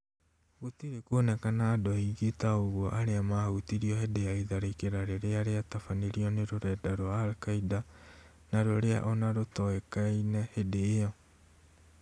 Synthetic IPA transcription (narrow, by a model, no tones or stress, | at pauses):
ɣotiɾekonɛkanaːdɔiɣetaoɣwɔʔaɾeamahutiɾiɔhedeaiðaɾekeɾaɾeɾeaɾeatafaneɾiɔneɾoɾɛːdaɾoaːlkaida | naɾoɾea̰ʔɔnaɾotɔekainɛhedeːɔ